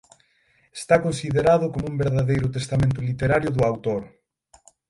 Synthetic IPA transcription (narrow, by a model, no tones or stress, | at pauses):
e̥st̪akonsiðeɾaðʊkomʊũmbeɾðaðejɾʊt̪est̪amẽnt̪̬ʊlit̪eɾaɾjʊðʊawt̪oɾ